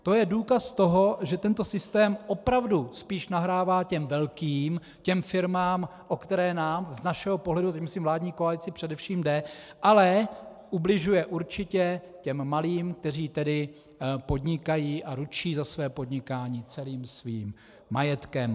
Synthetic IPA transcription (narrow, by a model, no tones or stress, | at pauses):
t̪o̞jɛduːkast̪o̞ɦo̞ʒɛt̪ɛnt̪o̞sɪst̪ɛːmʔo̞pɾavduspiːʃnaɦɾaːvaːcɛmvɛlkiːm | cɛmfɪɾmaːmʔokt̪ɛɾɛːnaːmznaʃɛɦopoɦlɛdut̪ɛcmɪsiːmvlaːdɲiːkoalɪt͡sɪpr̝̥ɛdɛfʃiːmdɛʔalɛʔublɪʒujɛʔuɾt͡ʃɪcɛcɛmːaliːmk̚t̪ɛr̝iːt̪ɛdɪ | po̞dɲɪkajiːʔaɾut͡ʃiːzasvɛːpo̞dɲɪkaːɲiːt͡sɛliːmsviːmː | ajɛt̪kɛm